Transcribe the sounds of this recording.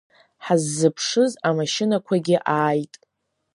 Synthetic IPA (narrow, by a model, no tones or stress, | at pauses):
ħazːɨpʰʂɨzamaʃɪnakʷʰaɡʲɪʔaːjtʼ